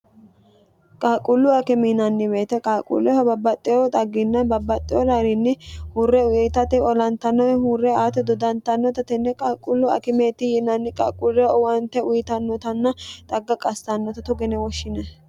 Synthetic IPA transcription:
kʼaːkʼːʊlːʊɐkɪminɐnːɪbe̞ːt̪ɛkʼaːkʼṵlːɛhɐbɐbːɐt̪ʼːɪjɔt̪ʼɐɡːɪnːɐbɐbːɐt̪ʼːɪjɔd̪ɐɾɪnːɪhurːɛʊjɛt̪ɐt̪ɪɔlɐnt̪ːɐnɔɛhuːrːɛaːt̪ɛd̪ɔd̪ɐnt̪ːɐnːɔt̪ɐt̪ɛnːɛkʼaːkʼːʊlːʊɐ̰kɪmeːt̪ɪjɪnɐnːɪkʼɐkʼʊɾɛwɐnt̪ɛʊjɪt̪ɐnːɔt̪ɐnːɐt̪ʼɐɡːɐkʼɐst̪ɐnːɔt̪ɐt̪ʊɡɛnɛwɔʃːɪnɛ

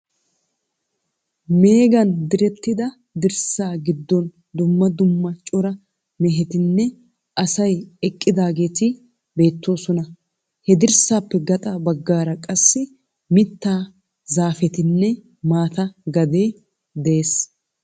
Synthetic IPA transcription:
me̞ːɡɐnd̪ɪɾɛt̪ːɪd̪ɐ | d̪ɪɾsaːɡɪd̪ːɔn | d̪ʊmːɐd̪ʊmːɐt͡ʃʼɔɾɐ | mɛɦɛt̪ɪnːɛ | ʔɐsɐjɛkʼːɪd̪aːɡe̞ːt̪ɪ | be̞ːt̪ːo̞ːsɔnɐ | hɛd̪ɪɾsaːpːɛɡɐt̪ʼɐbɐɡːaːɾɐkʼɐsːɪ | mɪt̪ːaː | zaːfɛt̪ɪnːɛ | maːt̪ɐɡɐd̪e̞ː | d̪ɛeːs

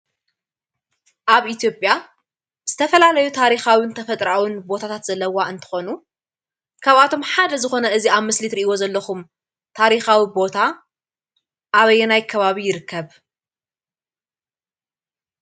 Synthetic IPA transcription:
ʔaβʔit̪ʰjo̞pʼja | z̥ɨt̪ʰɐfɐlalɐjut̪ʰaɾixawint̪ʰɐfɐt̪ʼɾawinbo̞t̪ʰat̪ʰat̪z̥ɐlːɐwaɨnt̪ʰɨ̥xo̞nu | kʰaβat̪ʰo̞mħad̪ɐzɨxo̞nɐɨziaβmɨslit̪ɾiʔiwo̞zɐlːɐxum | t̪ʰaɾixawibo̞t̪ʰa | ʔaβɐjɛnajkʰɐβaβijɪɾɨkʰːɐβ

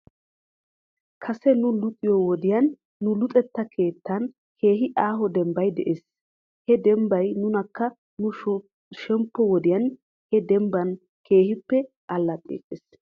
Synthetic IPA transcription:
kʰɐsɛnʊlʊt̪ʼːɪjɔwɔd̪ɪjɐnː | ʊlʊt̪ʼɛt̪ːɐkʰe̞ːt̪ːɐn | kʰe̞ːɦɪʔaːɦɔd̪ɛmbɐjd̪ɛ̰ʔes | hɛd̪ɛmbɐjnʊnɐkːɐ | nʊ | ʃɛmpːɔwɔd̪ɪjɐn | hɛd̪ɛmbɐn | kʰe̞ːhɪpːɛ | ɐlːɐt̪ʼːḛːkʼːes

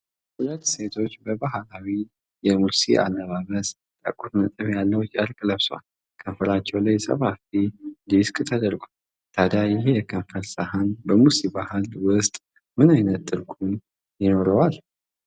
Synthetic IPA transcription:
hulət̪ːse̞t̪ʰo̞t͡ʃːbəbaɦalawi | jɛmulsiʔa̰nːəβaβəz | t̪ʼə̰kʼut̪nət̪ʼɨβjalːəwt͡ʃʼəlkʼləβsa̰l | kʰəɱfəlat͡ʃːɛwlajsə̰βafid̪iskʼt̪ʰəd̪əɾɡʷo | t̪ʰad̪ajɪɦejɛkʰəɱfəlsahanbəmusibahɨlwʊst̪ʼ | mɨnajnət̪ːɨɾkʰun | jɪno̞ɾəwal

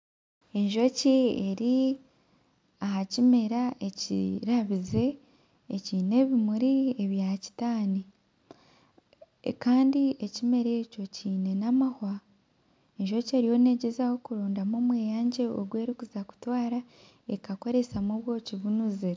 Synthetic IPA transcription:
e̞ɲʒo̞cieɾi | aɦacime̞ɾaʔeciɾaβize̞ː | ciːne̞βimuɾieβjaci̥taːni | kaːndie̞cime̞ɾe̞co̞ciːne̞namahwa | eɲʒo̞ce̞ɾijo̞ne̞ɟezaho̞kuɾoːndamomwe̞ːjaːɲɟe̞o̰ɡwe̞ːɾikuzaku̥twaːɾa | e̞kako̞ɾe̞samoβwo̞ːciβunuzeɾ

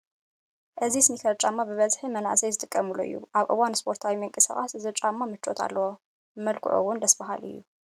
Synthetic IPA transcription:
ʔɨzisɨnikʰɐɾt͡ʃʼamːabɨβɐzħimɐna̰ʕsɐjzɨt̪ʼɨkʼːɐmuloɨ̰jːṵʔaβʔɨ̰wanspʰo̞ɾt̪ʰawimɨŋkʼɨsaχʼasɨzɨɾt͡ʃʼamːamɨt͡ʃʼːo̞̰t̪ʰa̰lːɐwo | mɐlkʰʊ̰ʕʔṵwʊnd̪ɐsbɐɦa̰lɨ̰jːu

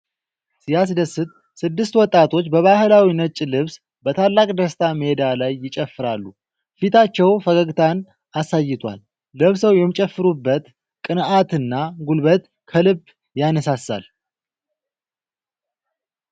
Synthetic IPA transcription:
sijas̬ɨd̪əsːɨt̪ | sɨd̪ːɨst̪wɔt̪ʼːat̪ʰo̞t͡ʃːbəβahɨlawinət͡ʃʼːilɨβs | bət̪ʰalːakʼd̪əst̪ʰaməhed̪alajːɪt͡ʃʼɛfːɨɾalːu | fit̪ʰat͡ʃːɛwfəɡəɡt̪ʰan | asajːɪt̪ʰwa̰lː | əβsəwjɛmːit͡ʃʼɛfːɨɾubːət̪ | kʼɨnat̪ɨnːaɡulβət̪ | kʰəlɨb | janəsasa̰l

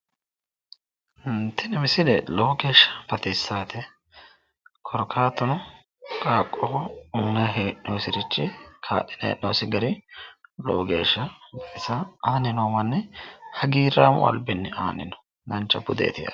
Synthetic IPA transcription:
nt̪ɪnɪmɪsɪd̪ɛloːɡeːʃːɐ̥bɐt̪ɪsːaːt̪ɛ | kʰɔɾɔkʰaːt̪ːɔnɔ | kʼaːkʼːɔuːnɐɦeːʔnowsɪɾɪt͡ʃːɪkʰa̰ːɗɪnḛʔnowsɪɡɐɾɪlo̰ːɡe̞̰ːʃːɐbɐt̪ɪsaaːnɪnoːmɐnːɛhɐɡiːɾaːmʊ̰ʔɐ̰lbɪnːɛa̰ːnɪ̰nɔ̥ | nɐnt͡ʃːɐbʊd̪ḛːt̪ɪja̰

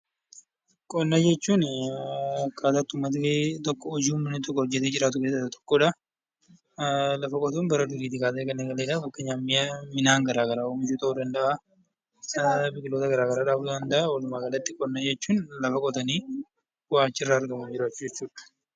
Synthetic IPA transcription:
kʼɔnːad͡ʒɛt͡ʃːuːn | kːaːt̪aːt̪ːʊmːɐt̪ɪket̪ɔkːɔɔd͡ʒiːʊmːɐnːɪt̪ɔkːɔhɔd͡ʒːɛt̪eːd͡ʒɪɾaːt̪ʊkeːsɐt̪t̪ɔ̥kːɔᶑɐ | lɐfɐkʼɔt̪uːnbɐɾɐd̪ʊɾiːt̪ɪkaːt̪eːkɐnːeɡɐleːᶑabɐkːɐɲaːmːɪjɐmɪnaːŋɡɐɾaːɡɐɾaːɔmɪt͡ʃut̪ɐud̪ɐnd̪ɐʔa | bɪkʼɪloːt̪ɐɡɐɾaːɡɐɾaːᶑaːbd̪ɐnd̪ɐʔaɔlʊmaːkɐlɐt̪ːɪkʼɔnːad͡ʒɛt͡ʃːuːnlɐfɐkʼɔt̪ɐniː | waːt͡ʃːɪrːaːɾɡɐmʊd͡ʒɪɾaːt͡ʃːʊd͡ʒɛt͡ʃːuːᶑɐ̥

